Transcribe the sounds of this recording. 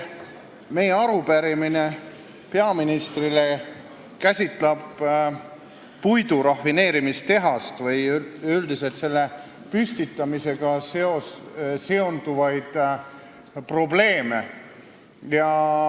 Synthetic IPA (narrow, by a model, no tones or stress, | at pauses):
me̞jeɑɾupæɾimine̞ | pe̞ɑminist̪rile | kæsʲit̪ˑlɑb | pujd̪uɾɑfːine̞ːɾimist̪e̞ɦɑst̪vɤjyld̪ise̞lt̪se̞lːe | pysʲt̪it̪ˑːɑmise̞ɡ̥ɑseose̞o̞nd̪̥uvɑjd̪̥ | pro̞ble̞ːme̞̰ | jɑ